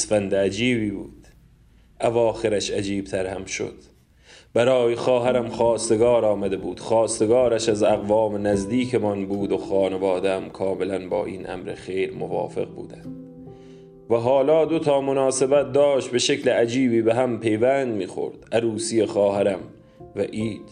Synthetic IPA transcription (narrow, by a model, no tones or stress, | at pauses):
sfænd̪eæd͡ʒiːbiːbṵːd̪̥ | ævɒːxe̞ɾæʃæd͡ʒiːb̥̚t̪ʰæɾhæmʃo̰d̪̥ | bæɾɒːjexɒːɦæɾæmχɒːst̪e̞ɡɒːɾɒːmæd̪e̞buːd̪̥xɒːst̪eɡɒːɾæʃæzæɣvɒːmenæzd̪iːkʰemɒnbuːd̪oxɒːne̞vɒːd̪eæmkʰɒːme̞lænbɒ̰ːʔḭːnʔæ̰mɾḛxe̞jɾmo̰vɒ̰ːfe̞̰ɣbṵːd̪ænd̪ | væɦɒːlɒːd̪ot̪ʰɒːmo̞nɒːse̞bæt̪̚d̪ɒːʃt̪̚be̞ʃekʰleæd͡ʒiːbiːbeɦæmpʰe̞jvænd̪miːxo̞̰ɾd̪̥ʔæɾuːsijexɒːhæɾæm | væʔiːd̪̥